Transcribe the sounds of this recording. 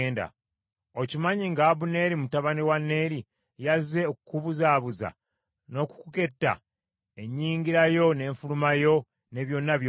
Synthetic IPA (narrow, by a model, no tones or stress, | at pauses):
nda̰ | ocimaɲiŋɡaːβune̞ɾimutaβaniwanːe̞ɾi | jaze̞okukuβuzaːβuza̰ | no̞ku̥kuke̞tːa̰ | e̞ɲːiːŋɡiɾajo̞ne̞ːɱfulumajo̞ | ne̞βjo̞nːaβj